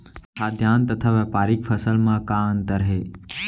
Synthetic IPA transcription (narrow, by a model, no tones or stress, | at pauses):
saːd̪ʱjaːnt̪ɐt̪ʰaʋɛpaːɾikfʰəsəlmãkaənt̪əɾɦeː